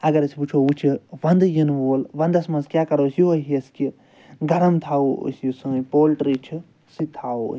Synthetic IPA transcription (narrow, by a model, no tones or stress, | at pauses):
ɐɡɐɾɐsiput͡ʃʰoːut͡ʃʰiʋɐ̃nd̪ɨjinʋoːlʋɐ̃nd̪ɐsmɐnzkʲjaːkɐɾoːsjoɦiɐski | ɡɐɾɐmt̪ʰaːo̰sjusɐpoːlʈɾiːt͡ʃʰi | sit̪ʰaːo̰